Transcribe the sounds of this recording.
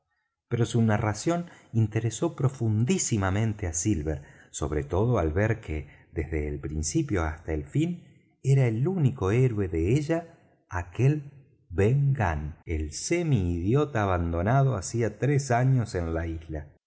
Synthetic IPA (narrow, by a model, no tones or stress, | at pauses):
peɾo̞sunarasjo̞nint̪e̞ɾeso̞pɾo̞fund̪isimamẽnt̪easilβeɾ | so̞̰β̞ɾet̪o̞ð̞oalβeɾkʰeðezðeːlpɾinsipjo̞a̰st̪aelfin | eɾaelunikoeɾwe̞ðeeʒaː | kel | beŋɡa̰nḛlsemiːðjo̞t̪aːβand̪o̞nað̞oasiat̪ɾesaɲo̞senlaizla